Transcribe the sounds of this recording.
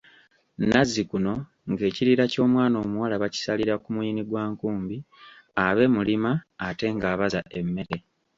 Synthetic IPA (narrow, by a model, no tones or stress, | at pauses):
nazːikuno̞ | ŋɡe̞ːciɾiːɾaco̞ːmwaːno̞ːmuwalaβaci̥saliɾakumuiːniɡwaːŋkuːmbi | aβe̞ːmulimaːte̞ŋɡaːβazaʔe̞mːe̞ɾe̞